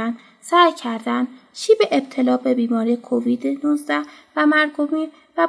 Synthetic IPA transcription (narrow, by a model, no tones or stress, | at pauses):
æn | sæjcʰæɾd̪ænʃiːbeʔeb̥̚t̪ʰe̞lɒːbe̞biːmɒːɾiːekʰoviːd̪enuzd̪æhvæmæɾɡomiːɾ | væ